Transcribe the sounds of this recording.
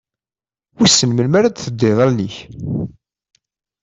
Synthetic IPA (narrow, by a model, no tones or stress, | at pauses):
wisːənməlmæɾad̪θəd̪ːeðˤɑɾniç